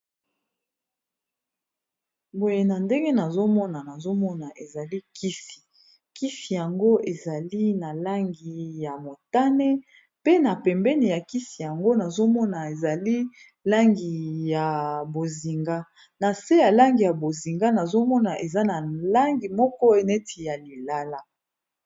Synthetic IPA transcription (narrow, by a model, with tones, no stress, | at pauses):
bo˨je˨na˨nde˦ŋɡe˦na˨zo˦mɔ˦na˨na˨zo˦mɔ˦na˨ʔe˨za˨li˦kʰi˦si̥˨ | ki˦si˨ja˨ŋɡo˦ʔe˨za˨li˦na˨la˦ŋɡi˨ja˨mo˨ta˦ne˦ | pe˦na˨pɛ˨mbɛ˦ni˨ja˨ki˦si˨ja˨ŋɡo˦na˨zo˦mɔ˦na˨e˨za˨li˦ | la˦ŋɡi˨ja˨bo˨zi˨ŋɡa˦ | na˨se˦ja˨la˦ŋɡi˨ja˨bo˨zi˨ŋɡa˦na˨zo˦mɔ˦na˨ʔe˨za˦na˨la˦ŋɡi˨mɔ˦kɔ˦e˨ne˦ti˨ja˨li˨la˦la˦